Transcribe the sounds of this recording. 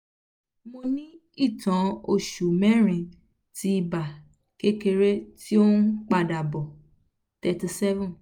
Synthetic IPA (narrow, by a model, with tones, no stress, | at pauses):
mo˧nĩ˦ | i˦˨tã˨˦o˧˨ʃu˨mɛ̃˦ɾ̃ĩ˧ | ti˧˦i˧ba˨ | ke˦ke˧ɾe˦ti˦o˦n̩˦k͡pa˧˨da˨bɔ˨ | tɛ˧ti˧sɛ˦vɔ̃˦˨n